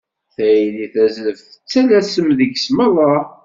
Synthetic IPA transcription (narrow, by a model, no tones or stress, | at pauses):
θæliθæzəfθə̥t͡sːælæsəmðəɡsmɑðˤɑ